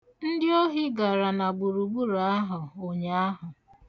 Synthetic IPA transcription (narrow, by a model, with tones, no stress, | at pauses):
n̩˦dɪ˦o˦ɦi˦ɡa˨ɾa˨na˨ɡ͡bu˨ɾu˨ɡ͡bu˦ɾa˦ɦʊ˨o˨ɲa˨a˦ɦʊ˨